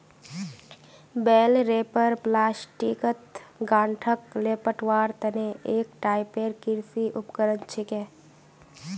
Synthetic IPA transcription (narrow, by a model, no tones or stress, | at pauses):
beːlɾeːpəɾplaːsʈikət̪ɡãːɳʈʰəkleːpəʈʋaːɾt̪ɐneʔeːk̚ʈaːɪpeːɾkɪɾsiʔʊpkəɾənt͡ʃʰikeː